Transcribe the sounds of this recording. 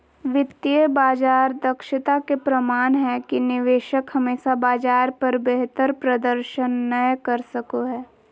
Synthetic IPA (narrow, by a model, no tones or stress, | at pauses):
ʋɪt̪ːiəbaːd͡ʒaːɾd̪ɐkʃɪt̪akepɾɐmaːnɦɛkinɪʋeːʃəkhɐmeːʃabaːd͡ʒaːɾpɐɾbeɦt̪əɾpɾɐd̪əɾʃənːəjkɐɾsɐkoɦɛː